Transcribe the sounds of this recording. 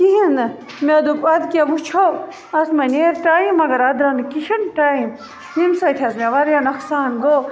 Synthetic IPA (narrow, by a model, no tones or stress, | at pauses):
kiɦinɨ | med̪upɐd̪kiɐbut͡ʃʰo | ɐsmɐnʲeːɾʈaːimːɐɡɐɾɐd̪ɾɐnkiʃɐnʈaːim | jimsɐt̪ʰʲɐsmeʋɐɾjɐnɐksaːnɡo